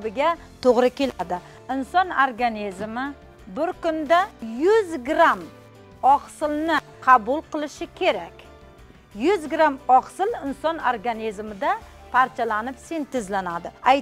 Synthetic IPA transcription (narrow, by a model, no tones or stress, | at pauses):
bɪɡʲa | t̪ʰoʁɾɪkʲʰe̞lad̪ɪ | ɪnsɒnoɾɡanizmɪ | bɪɾkʊnd̪ajʊzɡɾam | ɒqsɪlˠnɪqʰɑbʊlˠqɨlˠɪʃɪkʲʰe̞ɾakʲ | jʊzɡɾamɒqsɪlɪnsɒnoɾɡanizmɪd̪a | pʰaɾt͡ʃʰalanɪpse̞nt̪ɪzlanad̪ɪaj